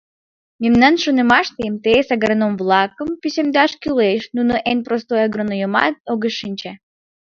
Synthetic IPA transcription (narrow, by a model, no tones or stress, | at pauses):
mʲemnɑnʃonemɑʃt̪emt̪eesɑɣəɾenomvlˠɑkə̆mpysʲemd̪ɑʃkyleʃnunoʔenʲprost̪ojɑɡɾonojəmɑ̰t̪̚oɣəʃinʲt͡ɕe